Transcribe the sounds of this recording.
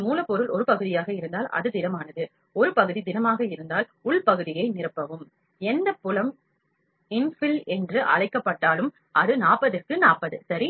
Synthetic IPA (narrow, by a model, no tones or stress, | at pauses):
muːlɐpːɔɾɯlɔɾɯpɐɣɯðɪjaːɣɐɪɾɯnd̪aːlʔɐ̰ðɯd̪ɪnɐmaːnɐðɯ | ɔɾɯpɐɣɯðid̪ɪnɐmaːɣɐɪɾɯnd̪aːlʊɭpɐɣɯðɪjɐɪnɪrɯpːɐʋɯm | ɛnd̪ɐpːʊlɐm | ɪnfɪlɛndrɯʔɐ̰ɻɐɪkːɐpːɐʈːaːlɯm | ʔɐðɯnaːpːɐðɯkːɯnaːpːɐðɯsɐɾi